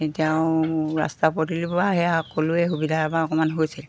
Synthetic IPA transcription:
etijaʊɹa̰stapotilibɔaɦɛakoluɛɦubidʱaabaɔkɔmanɦojsil

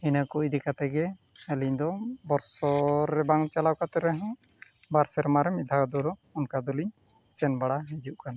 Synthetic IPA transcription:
inakud̪ɛkat̪ɛɡɛɛliɲd̪ɔbɔɾsɔɾɛbaŋt͡ʃalawkat̪ɛɾɛɦɛ̃ | baɾsɛɾmaɾɛmid̪ʱad̪ɔɾɔɔnkad̪ɔliɲsɛnbaɽaɦɛd͡ʒuʔkana

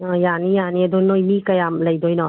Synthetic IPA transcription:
janijaniɐdɔnojmikɐjamlɐjdɔjnɔ

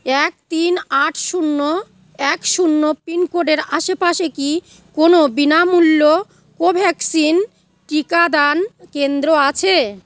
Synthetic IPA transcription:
ɛk̚t̪inaʈʰʃunːo | ɛkʃunːopinkoɖeɾaʃepaʃeki | konobinamulːo | kobʱɛksin | ʈikad̪ankend̪ɾoat͡ɕʰe

